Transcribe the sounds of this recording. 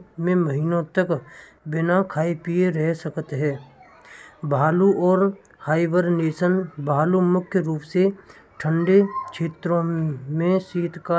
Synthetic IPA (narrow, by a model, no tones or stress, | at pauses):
mẽməɦiːnõt̪ək | bɪnakʰaːipijeɾɛɦsəkət̪ɦɛː | bʱaːluʔɔːɾ | haːɪʋəɾneːsənbʱaːlumʊkʰjəɾuːpse | ʈʰə̃ɳɖet͡ʃʰeːt̪ɾõmẽsiːt̪kaː